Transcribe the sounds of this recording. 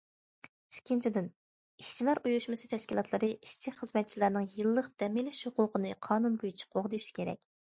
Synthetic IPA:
i̥ʃkʲːint͡ʃʰid̪ɪn | iʃt͡ʃʰilæɾʔujuʃmɨsɨt̪ʰɛʃkʲilˠɑt̪lˠəɾɨʔiʃt͡ʃʰiχəzmɛt̪̚t͡ʃʰilæɾnɨŋjɨlˠːəqd̪̥ɛmɪlɪʃhoqʊqənɨqʰɑːnunbojyt͡ʃʰi̥qʰoʁd̪ɨʃi̥kʲʰeɾɛ̰k̚ʲ

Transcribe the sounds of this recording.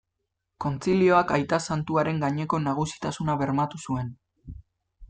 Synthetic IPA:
ko̞nt͡silio̞akajt̪asant̪uaɾe̞ŋɡaɲe̞ko̞naɣ̞usi̥t̪asunaβe̞ɾmat̪usue̞n

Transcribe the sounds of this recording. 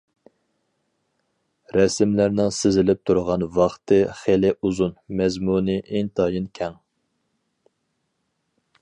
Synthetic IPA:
ɾɛsɪmlæɾnɪŋsɪzɪlɪp̚t̪ʰuɾʁɑnvɑχt̪ʰɨχelɪʔuzunmɛzmunɨʔeŋt̪ʰɑːjinkʲʰɛŋ

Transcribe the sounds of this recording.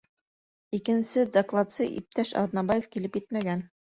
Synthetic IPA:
ikɘ̆nsɘd̪ɐklˠat̪sɤʔḭp̚t̪æʃɑ̰ðnɑbajefkilɘpjɘt̪mæɡæn

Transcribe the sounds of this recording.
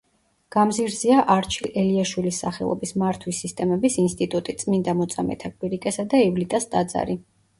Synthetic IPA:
ɡ̥amziɾziaʔaɾt͡ʃʰilʔɛliaʃwilisːaχɛ̰lˠɔ̰bismaɾt̪ʰwisːist̪ʼɛmɛbisinst̪ʼit̪ʼut̪ʼit̪sʼmind̪amɔt̪sʼamɛ̰t̪ʰakʼwiɾikʼɛsad̪aɛvlit̪ʼast̪ʼad̪za̰ɾi

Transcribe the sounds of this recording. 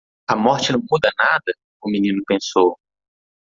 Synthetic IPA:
ɐmɔɾt͡ʃɪnɐ̃w̃mud̪ɐnad̪ɐ | ʊmĩnĩnʊpẽsow

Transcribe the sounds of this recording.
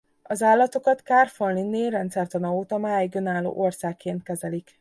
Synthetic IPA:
ɒzaːlːɒt̪o̞kɒt̪kaːrfolːinːeːrɛnt̪sɛrt̪ɒnɒoːt̪ɒmaːjiɡø̞naːlːo̰ːʔo̞rsaːkːeːnt̪̚kɛzɛlik

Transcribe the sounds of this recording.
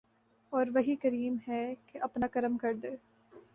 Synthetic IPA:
ɔːɾʋɐɦikɐɾiːmɦɛkeʔɐpnakɐɾəmkɐɾd̪eː

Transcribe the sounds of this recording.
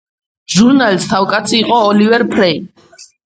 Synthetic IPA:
ʒuɾnalist̪ʰavkʼat̪sʰiːqʼɔːlivɛɾpʰɾɛj

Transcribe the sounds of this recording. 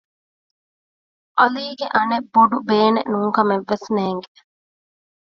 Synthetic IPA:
ʔɐliːɡeʔɐnebːoɖubeːnḛnuːŋkɐmeʋːesneːŋɡe

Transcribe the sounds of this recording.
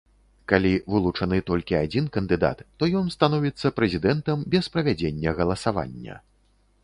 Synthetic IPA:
kalʲivɨlˠut͡ʂɐnɨt̪ɔlʲkʲiad͡zʲinkɐnd̪ɨd̪a̰t̪ːɔjɔnst̪anɔvʲit̪sːɐpɾɛzʲid̪ɛnt̪ɐmbʲɛspɾɐvʲad͡zʲenʲːɐɣɐlˠɐsava̰nʲːɐ̰

